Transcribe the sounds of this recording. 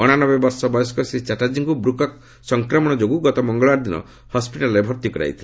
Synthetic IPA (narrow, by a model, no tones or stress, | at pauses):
ɔɽ̃anɔbebɔɾsɔbɔjɔskɔsit͡ʃaʈad͡ʒiŋkubɾukɔk̚ | sɔŋkɾɔmɔɽ̃ɔd͡ʒoɡuɡɔt̪ɔmɔŋɡɔɭaɾd̪inɔ̰ | hɔspiʈalɔɾebʱɔɾt̪ikɔɾa̰jt̪ʰil